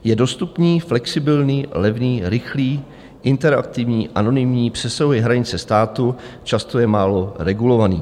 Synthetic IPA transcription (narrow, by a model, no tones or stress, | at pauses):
jɛdo̞st̪upniːflɛksɪbɪlɲiːlɛvniːɾɪxliː | ʔɪnt̪ɛɾa̰k̚t̪ɪvɲiːʔano̞nɪmɲiːpr̝̥ɛsaɦuɛɦɾaɲɪt͡sɛst̪aːt̪u | t͡ʃast̪o̞jɛmaːlo̞ɾɛɡulo̞vanḭː